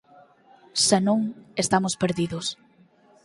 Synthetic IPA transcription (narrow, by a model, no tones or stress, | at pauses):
senõŋest̪amʊspeɾðiðʊs